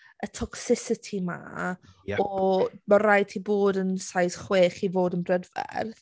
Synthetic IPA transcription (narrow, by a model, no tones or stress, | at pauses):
ətʰɔksɪsɪtʰima̰ | ɔmaɾajtʰiboːdənsajsχweːχivoːdənbrɛdvɛ̰rθ